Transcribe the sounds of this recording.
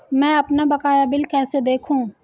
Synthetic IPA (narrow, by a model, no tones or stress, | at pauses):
mɛ̃ɐpnabɐkaːjabɪlkɛːsed̪eːkʰũː